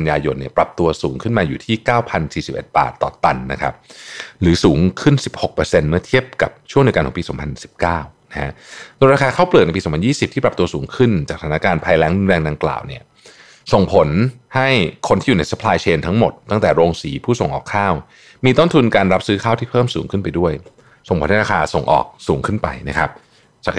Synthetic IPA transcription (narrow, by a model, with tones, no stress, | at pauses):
njaː˧jo˧nːi˥˩ɐpɾa˨˩p̚t̪u˧ɐsuː˩˦ŋkʰɯ˥˩nmaː˧juː˨˩t̪ʰiː˥˩kaː˥˩wpʰa˧nsiː˨˩si˨˩pʔḛ˨˩t̪̚ba̰ː˨˩t̪ːɔ̰ː˨˩t̪a˧nːa̰˦˥kʰa̰˦˥p̚ɾɯː˩˦suː˩˦ŋkʰɯ˥˩nsi˨˩p̚ho˨˩k̚pɤː˧se˧nmɯ˥ɐt̪ʰi˥˩əp̚ka̰˨˩p̚t͡ɕʰu˥˩ŋdi˩ka˧nkʰɔ˩˦piː˧sɔ̰ː˩˦mpʰa˧nsi̥˨˩p̚kaː˥˩wna˦kʰa̰˦˥doː˧nɾaː˧kʰaː˧kʰaː˥˩wplɯ˨˩n˧jpi˧sɔ˨˩˦mpʰa˧jiː˥˩si˨˩p̚t̪ʰiː˥pɾa˨˩t̪u˧ɐsuː˩˦ŋkʰɯ˥˩nt͡ɕaː˨˩k̚tʰaː˨˩na˦˥kaː˧npʰaː˧jlɛː˦˥ŋdu˧nɾɛː˧ŋda˧ŋkla̰ː˨˩wni˦˥˩ɐ | so˨˩ŋpʰo˨˩˦nha˥˩jkʰo˧ntʰiː˥˩˨uː˨˩na˧sa˦˥pʰlaː˧jt͡ɕʰeː˧nt̪ʰa˦˥ŋmo˨˩t̪ːa˥˩ŋt̪ɛː˨˩ɾoː˧ŋsiː˩˦pʰuː˥˩so˨˩ŋʔɔː˨˩kʰːaː˥˩w | miː˧t̪o˥˩nt̪ʰu˧nkaː˧nɾa˦˥p̚sɯː˦˥kʰaː˥˩wt̪ʰiː˥˩pʰɤː˥˩msuː˩˦ŋkʰɯ˥˩npa˧jdu˥˩əj | so˨˩ŋkʰo˨˦na˥˩ɾaː˧aː˧so˨˩ŋʔɔ̰ː˨˩k̚suː˩˦ŋkʰɯ˥˩npa̰˧jna̰˦˥kʰa˦˥p̚ | t͡ɕaː˨˩k